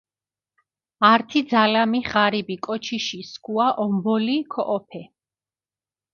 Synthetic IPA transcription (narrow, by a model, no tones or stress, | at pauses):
aɾt̪ʰid̪zalamiʁaɾibikʼɔt͡ʃʰiʃiskʰʼuaʔɔmbɔlikʰɔʔɔpʰɛ